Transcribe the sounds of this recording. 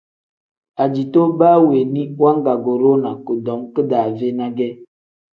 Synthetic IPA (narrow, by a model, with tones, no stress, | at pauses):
a˨d͡ʒi˨to˦ba˦we˨ni˦wa˦ŋ˦ɡa˨ɡo˨ɾo˦na˨ko˨dɔ˨˦mkə˦da˨ve˦na˦ɡɛ˦